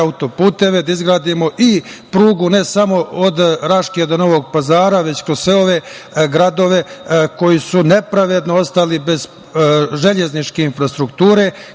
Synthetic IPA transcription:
aut̪o̞puːt̪e̞ʋed̪aizɡɾaːd̪imo̞ʔipɾuːɡune̞samo̞od̪ɾaʃked̪ono̞ʋo̞ɡ̚pazaːɾaʋe̞t͡ɕkɾozsʋeo̞ʋe̞ | ɡɾad̪o̞ʋe̞ko̞jisune̞pɾaʋe̞d̪noo̞st̪alibe̞z | ʒe̞ʎe̞znit͡ʃke̞infɾast̪ɾukt̪uːɾe̞

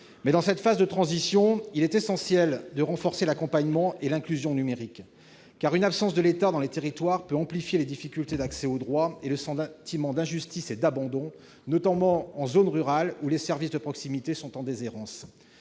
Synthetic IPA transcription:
mɛd̪ɑ̃sɛt̪fazd̪ət̪χɑ̃zisjɔ̃ilɛt̪esɑ̃sjɛld̪əʁɑ̃fɔʁselakɔ̃paɲmɑ̃elɛ̃klyzjɔ̃nymeʁikː | aʁynapsɑ̃sd̪əlet̪ad̪ɑ̃let̪eʁit̪waʁpøɑ̃plifjeled̪ifikʲylt̪ed̪aksɛod̪ʁwaeləsɑ̃t̪imɑ̃d̪ɛ̃ʒyst̪ised̪abɑ̃d̪ɔ̃ | nɔt̪amɑ̃ɑ̃zonʁyʁalulesɛʁvisd̪əpχɔksimit̪esɔ̃t̪ɑ̃d̪ezeʁɑ̃s

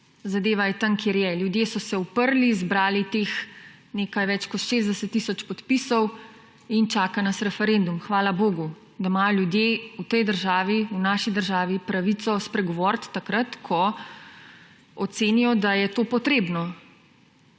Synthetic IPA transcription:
zad̪eːʋajɛt̪aŋkʰjeːɾjɛljud̪jeːsɔsɛupəɾlizbɾaːlit̪eːx | neːkajʋɛt͡ʃkɔt̪ʃeːzd̪ɛsət̪ːisɔt͡ʃpɔt̪pisɔw | int͡ʃaːkanɐsɾɛfɛɾend̪umxʋaːlaboːɡu | d̪amaːjɔljud̪jeut̪ɛjd̪əɾʒaːʋiunaːʃid̪əɾʒaːʋipɾaʋit̪sɔspɾɛɡɔʋɔɾt̪ːakɾat̪kʰɔ | ɔt̪seːnijɔd̪ajɛt̪oːpɔt̪ɾeːbnɔ

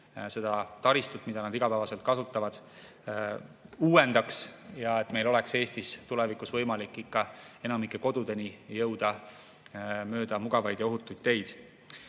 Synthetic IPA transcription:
se̞d̪̥ɑt̪ɑɾist̪ut̪ːmid̪̥ɑnɑd̪iɡ̥ɑpæːvɑse̞lt̪kɑsut̪ːˑɑvɑd̪̥ | uːwe̞nd̪̥ɑksjɑe̞t̪ːme̞jlo̞le̞kse̞ːst̪ist̪ulevikusvɤjmɑlikːˑikːɑe̞nɑmikːˑeko̞d̪̥ud̪̥e̞nijɤwd̪̥ɑ | mø̞ːd̪̥ɑmuɡ̥ɑvɑjd̪jɑo̞ɦut̪ːˑujd̪̥̚t̪ːe̞jd̪̥

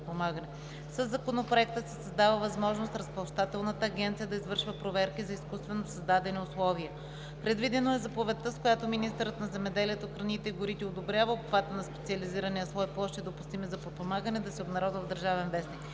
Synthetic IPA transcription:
pomaɡənɛ | səzːɐkonopɾoɛk̚t̪əsɛsɐzd̪avəvɐzmɔʒnost̪ɾəspɐlˠʃt̪at̪ɛlˠnət̪əːɡʲɛnt̪sijəd̪ɐizvɤɾʃvəpɾovɛɾkizɐiskust̪vɛnosɐzd̪ad̪ɛniʊslˠɔviə | pɾɛd̪vid̪ɛnoɛzɐpovɛt̪ːəskojat̪ominist̪ɾət̪nɐzɛmɛd̪ɛliɛt̪oxɾɐnit̪ɛiɡʊɾit̪ɛod̪obɾʲjavəopxvat̪ənɐspɛ̥t̪siɐliziɾɐniɐsvˠɔiplˠɔʃt̪id̪opust̪imɛzɐpot̪̚pomaɡənɛd̪ɐsɛobnɐɾɔd̪vəvd̪əɾʒavɛnvɛsnik

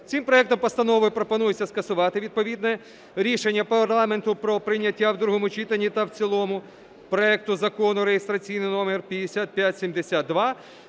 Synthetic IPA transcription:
t͡sʲimpɾɔɛkt̪ɔmpɔst̪ɐnɔʋɔjpɾɔpɔnujʊt͡sʲːɐskɐsʊʋɑt̪ɪʋʲid̪̚pɔʋʲid̪nɛ | ɾʲiʃe̞nʲːɐpɐrlˠɑme̞nt̪ʊpɾɔpɾɪnʲːɐtʲːawd̪ɾuɦɔmʊt͡ʃit̪enʲːit̪ɐwt͡sʲilˠɔmʊ | pɾɔɛk̚t̪ʊzɐkɔnʊɾeɦest̪ɾɐt͡sʲijnɪnɔmerpʲjɐd̪esʲat̪̚pʲjatʲsʲimd̪esʲat̪̚d̪ʋɑ

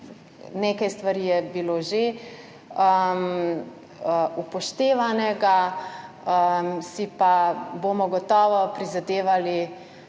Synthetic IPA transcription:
neːkajst̪ʋaɾijɛbiloʒe | əm | upɔʃt̪eːʋanɛɡa | əmsipabomɔɡɔt̪ɔːʋɔpɾizad̪eːʋali

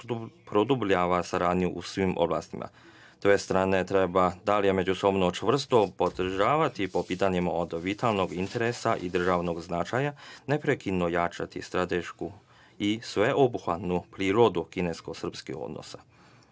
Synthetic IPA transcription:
pɾod̪ubʎaʋasaɾaːd̪nijuʔusʋimʔo̞̰blˠa̰ːst̪imʔa̰ | t̪ʋe̞st̪ɾaːne̞t̪ɾe̞bad̪alijeme̞d͡ʑuso̞bno̞t͡ʃʋr̩st̪o̞po̞d̪r̩ʒaːʋat̪ipo̞piːt̪aɲimao̞d̪ʋit̪ʰalˠno̞ɡint̪e̞ɾesaʔid̪r̩ʒaʋno̞ɡznat͡ʃajane̞pɾekinːojat͡ʃat̪ist̪ɾat̪e̞ʃku | isʋe̞ʔo̞buxʋat̪nupɾiːɾo̞d̪ukine̞sko̞sr̩pskḭxo̰d̪nʔo̰sa

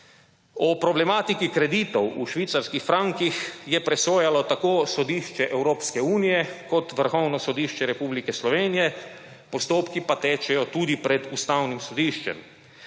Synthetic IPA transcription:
ɔpɾɔblɛmaːt̪ikikɾɛd̪iːt̪ɔwuʃʋiːt̪saɾskixfɾaŋkixjɛpɾɛsoːjalɔt̪akoːsɔd̪iːʃt͡ʃɛʔɛwɾoːpskɛuːnijɛkɔt̪ʋəɾxɔwnɔsɔd̪iːʃt͡ʃɛɾɛpublikɛslɔʋeːnijɛ | pɔst̪oːpkipat̪ɛːt͡ʃɛjɔt̪uːd̪ipɾɛd̪ust̪awnimsɔd̪iːʃt͡ʃɛ̰m

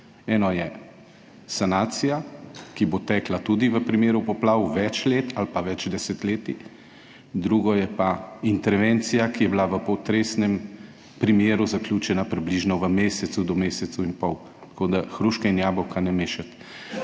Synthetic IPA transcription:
ɛːnɔjɛ | sanaːt̪sijakibot̪ɛːklat̪ud̪iʋəpɾimeːɾupɔplaːwʋɛt͡ʃleːt̪ʰalpaʋɛd͡ʒd̪ɛsɛt̪leːt̪i | d̪ɾuɡɔjɛpaint̪ɛɾʋeːnt̪sijakijɛblaʋəpɔt̪ɾesnɛm | pɾimjeːɾuzaklʲjut͡ʃɛnapɾibliʒnɔʋəmeːsɛt̪sud̪ɔmeːsɛt̪sɐwinpɔw | t̪ḁkod̪axɾuʃkɛinjaːbɔwkanɛmeːʃat̪

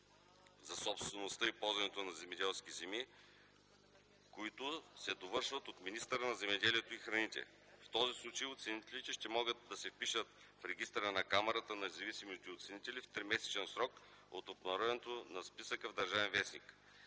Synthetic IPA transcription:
zɐsɔpst̪vɛnost̪əipɔlˠzɐnɛt̪onɐzɛmɛd̪ɛlˠskʲizɛmi | koit̪ʊsɛd̪ovɤɾʃvət̪ot̪minist̪əɾənɐzɛmɛd̪ɛliɛt̪oixɾɐnit̪ɛ̰ | ft̪ɔzislˠut͡ʃəjʊt̪sɛnit̪ɛlit̪ɛʃt̪ɛmɔɡət̪̚d̪ɐsɛfpiʃət̪ | fɾɛɡʲist̪ɾənɐkamɛɾət̪ənɐnɛzɐvisimiot̪ɛot̪sɛnit̪ɛlift̪ɾimɛsɛ̥t͡ʃɛnsɾɔk | o̰t̪obnɐɾɔɛnt̪onɐspisəkəvd̪ɐɾʒavɛnvɛsnik

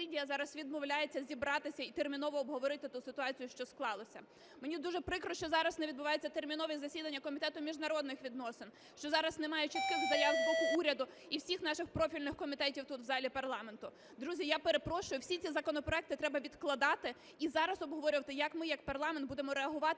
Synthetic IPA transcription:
idʲijɐzɑɾɐsʋʲid̪mɔwlʲaje̞t͡sʲːɐzʲibɾɑt̪ɪsʲɐit̪ermʲinɔʋɔːbɦɔʋɔɾɪt̪ɪt̪usɪt̪ʊɑt͡sʲijʊʃt͡ʃɔsklˠɑlˠɔsʲɐ | menʲid̪uʒɛpɾɪkɾɔʃt͡ʃɔzɑɾɐsneʋʲid̪bʊʋɑjet͡sʲːɐt̪ermʲinɔʋʲizɐsʲid̪ɐnʲːɐkɔmʲit̪ɛt̪ʊmʲiʒnɐɾɔd̪nɪxʋʲid̪nɔsɪn | ʃt͡ʃɔzɑɾɐznemɑjɛt͡ʃit̪kɪxzɐjazbɔkʊuɾʲɐd̪ʊ | iwsʲixnɑʃɪxpɾɔfʲilʲnɪxkɔmʲit̪ɛtʲiwt̪ut̪ʋzɑlʲipɐrlˠɑme̞nt̪ʊ | d̪ɾuzʲijapeɾepɾɔʃʊjʊwsʲit͡sʲizɐkɔnɔpɾɔɛk̚t̪ɪt̪ɾɛbɐʋʲid̪klˠɐd̪ɑt̪ɪ | izɑɾɐsɔbɦɔʋɔɾʲʊʋɐt̪ɪjɐkmɪjɐk̚pɐrlˠɑment̪̚bud̪emɔɾeɐɦʊʋɑt̪

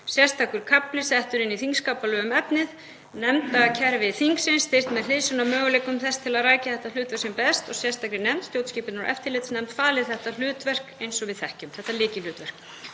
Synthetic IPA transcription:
sjɛ̥st̪ʰakʏɾ̥kʰaplɪsɛht̪ʏɾɪnːiθiŋkskaːpalœːɣʏmɛpnɪð | nɛmt̪acʰɛɾvɪθiŋksɪnst̪ɪr̥t̪mɛðl̥ɪːsʏnamœːɣʏleːkːʏmθɛst̪ʰːɪlaðraːjcaθɛht̪alʏːt̪vɛɾ̥sɪmpɛst̪ɔɣsjɛ̥st̪akɾɪnɛmt̪st̪jowt̪sciːpɪt̪nɔɾʔɛ̰ft̪ɪlɪt̪snɛmt̪faːlɪðθɛht̪al̥ʏːt̪vɛr̥kejnsɔɣvɪðθɛhcʏmθɛht̪alɪːcɪlʏːt̪vɛr̥k̚

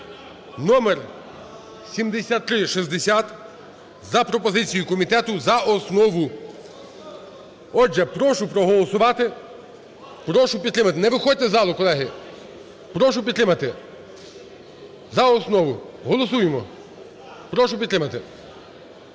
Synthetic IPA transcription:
nɔmɛr | sʲimd̪esʲat̪ːɾɪʃizd̪esʲat̪ | zɐpɾɔpɔzɪt͡sʲijʊkɔmʲit̪ɛt̪ʊzɐɔsnɔʋʊ | ɔʒɛpɾɔʃʊpɾɔɦɔlˠɔsʊʋɑt̪ɪ | pɾɔʃʊpʲid̪t̪ɾɪmɐt̪ɪnɛʋɪxɔd̚ʲt̪ɛzɑlˠʊkɔlˠɛɦɪ | pɾɔʃ̬ʊpʲdt̪ːɾɪmɐt̪ɪ | zɐɔsnɔʋʊɦɔlˠɔsujemɔ | pɾɔʃ̬ʊp̬ʲit̪ːɾɪmɐt̪ɪ

